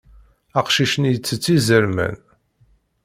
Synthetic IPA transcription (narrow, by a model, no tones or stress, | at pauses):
æqʃiʃənjət͡sːət͡sːizəɾmæ̰n